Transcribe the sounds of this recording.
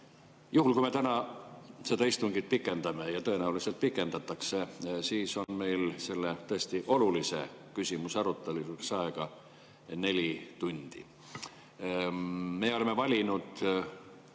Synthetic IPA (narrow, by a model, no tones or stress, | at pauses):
juɦulkujme̞t̪ænɑse̞d̪ɑist̪uŋɡ̥it̪̚pikːˑe̞nd̪̥ɑme̞jɑt̪ɤ̞enæulise̞lt̪̚pikːˑe̞nd̪̥ɑt̪ːˑɑkse̞siːso̞nme̞jlse̞lːe̞t̪ɤe̞st̪iʔo̞lulise̞̰kysʲimusɑɾut̪ːˑelisuksɑeɡ̥ɑ | ne̞lʲit̪unʲd̪̥ḭ | meo̞le̞mevɑlʲinud̪̥